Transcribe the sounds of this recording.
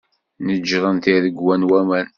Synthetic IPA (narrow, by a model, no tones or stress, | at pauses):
nəd͡ʒːɾˤənt̪iðəɡwænwæmæn